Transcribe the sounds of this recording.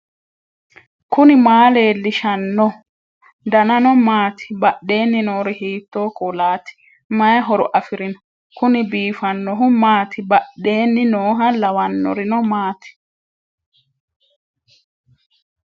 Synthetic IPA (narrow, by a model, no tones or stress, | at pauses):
kʊnɪmaːleːlːɪʃɐnːɔ | d̪ɐnɐnɔmaːt̪ʰɪ̥bɐɗe̞ːnːɪnoːɾɪhiːt̪ːoːkɔlaːt̪ɪ̥ | mɐjɦɔɾʊʔɐfɪɾɪnɔ̥ | kʊnɪbiːfɐnːɔɦʊmaːt̪ɪbɐɗe̞ːnːɪnoːɦɐlɐwɐnːɔ̰ɾɪnɔmaːt̪ɪ̥